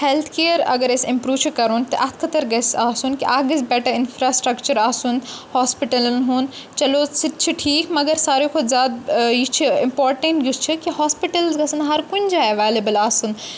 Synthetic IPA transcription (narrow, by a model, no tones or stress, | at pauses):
helt̪ʰkeːjəɾɐ̰ɡɐɾesĩmpɾuːt͡ʃʰikɐɾuːnt̪ɐʔɐt̪ʰkʰɐt̪ɐɾɡɐsaːsunkiʔaːɡɐsbɛʈɐɪnfʰɾaːsʈɾɐkt͡ʃɐɾaːsunhoːspiʈɐlnɦuːn | t͡ʃɐloːsit̪̚t͡ʃʰiʈʰiːkmɐɡɐɾsaːɾekʰozʲaːd̪̚jit͡ʃʰiimpoːɾʈẽɳʈɡust͡ʃʰikihɦaːspiʈɐlzɡɐsɐnɦɐɾkund͡ʒaːɐʋeːlibɐlaːsun